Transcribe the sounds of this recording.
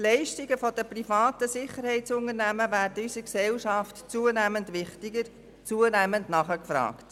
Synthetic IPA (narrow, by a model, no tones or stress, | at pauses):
lɛɪʃtɪɡəfɔd̥əprifɑːtəsɪχəɾhɛɪtsʊŋənæməʋæːɾtysəksɛlʃɑftt͡suːənæməndʋɪχtɪɡəɾ | t͡suənæməndnɑχəkfɾɑ̰ːkt